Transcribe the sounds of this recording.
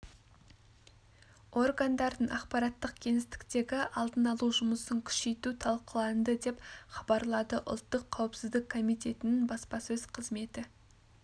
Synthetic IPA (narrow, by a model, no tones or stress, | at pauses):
o̞rɡand̪ɑɾd̪əɴʔɑqpɑɾɑt̪ːəq̚kʲʰe̞ŋɪst̪ɪ̥kt̪e̞ɡʲɪʔɑlˠd̪ənɑlˠuʒʊməsəŋkʲʰʏ̥ʃe̞jt̪ut̪ʰɑlˠqəlˠɑnd̪əd̪e̞pχɑbɑɾlˠɑd̪əʔʊ̰lˠt̪ːəqʰːɑwɪpsɪzd̪ɪkkʰo̞mijt̪e̞t̪ɪnɪŋbɑspɑsɵz̥qʰəzme̞t̪ɪ